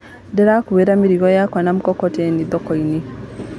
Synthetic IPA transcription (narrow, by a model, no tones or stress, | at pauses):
dɛɾakuβeɾamiɾiɣɔjakwanamukɔkɔtɛnid̪ɔkɔini